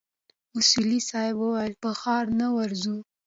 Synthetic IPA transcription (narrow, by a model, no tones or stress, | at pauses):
ʊsulisɑjbwəwajəlpəxɑɾnawaɾzu